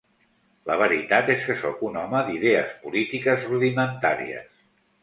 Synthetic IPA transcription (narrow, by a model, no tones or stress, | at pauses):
ləβ̞əɾit̪at̪eskəsokunɔməðiðeəspulit̪ikəzruðimənt̪aɾḭə̰s